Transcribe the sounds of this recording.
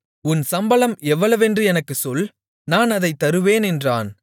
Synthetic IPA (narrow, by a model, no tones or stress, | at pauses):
ʊnsɐmbɐlɐmɛʋːɐɭɐʋɛndrɯɛnɐkːɯsɔl | naːnɐðɐɪt̪ːɐɾɯʋeːnɛndraːn